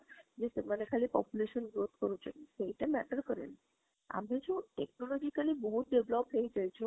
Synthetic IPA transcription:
d͡ʑesemanekʰalipɔpjuleʃənɡɾot̪̚ʰkəɾut͡ʃʰesejʈamɛʈəɾkəɾḛl | a̰med͡ʒõʈeknɔlɔd͡ʑikalibɔɦut̪̚ɖeʋlɔpɦejd͡ʑajt͡ʃʰo

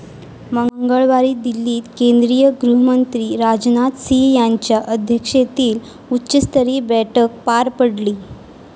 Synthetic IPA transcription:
məŋɡəɭʋaɾiːd̪ilːiːt̪kẽnd̪ɾijəɡɾuɦəmənt̪ɾiːɾad͡ʑnat̪sijaɲt͡ɕjaʔəd̪ʱjəkʂet̪iːl | utːɕist̪əɾiːbɛʈʰək̚paɾpəɽliː

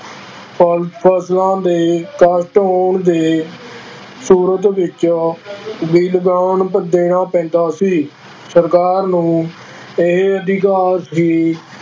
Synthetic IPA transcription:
ppʰəslãːd̪eːkaːsʈoːɳd̪eː | suːɾət̪ʋɪt͡ʃ | biːlɡaːɳpəd̪eːɳãːpɛ̃ːnd̪aːsiː | səɾkaːɾnũː | ɪɦəd̪iːkaːsɦiː

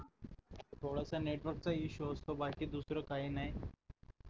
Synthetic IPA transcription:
t̪ʰoːɽasaneːʈʋəɾk̚t͡saiʃuɦost̪obaːkid̪uːsɾakaːɦinai

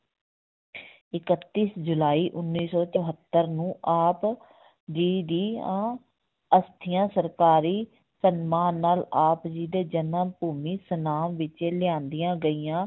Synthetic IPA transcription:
ɪkət̪ːiːsd͡ʒʊlaːiːʔʊnːiːsɔːt͡ʃəɦət̪ːəɾnũːʔaːp | d͡ʒiːɖiːãː | əst̪ʰɪjãːsəɾkaːɾiː | sənmaːnːaːlaːpd͡ʒiːd̪eːd͡ʒənãːpuːmiːsənaːmʋɪt͡ʃeːlɪjãːnd̪ɪjãːɡəiːjãː

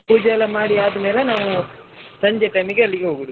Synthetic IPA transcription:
puːd͡ʒɐlɐmaːɽiaːd̪ɐmeːlɐnaːʋusɐɲd͡ʒeʈɐjmiɡeɐlːiɡeɦoːɡud̪u

